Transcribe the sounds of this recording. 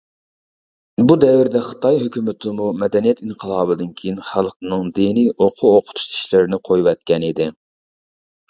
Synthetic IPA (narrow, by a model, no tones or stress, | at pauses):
bud̪ɛwɪɾd̪ɛχə̥t̪ʰɑjɦøkʲymɪt̪ʰɪmumɛd̪ɛnijɛt̪iɴqʰəlˠɑːbɨd̪ɨnkʲʰejinχælˠqnɨŋd̪inijʔoqʰuoqʰʊ̥t̪ʰu̥t͡ʃʰi̥ʃlɪɾɪnɪqʰojwɛt̪̚kʲɛnid̪ɪ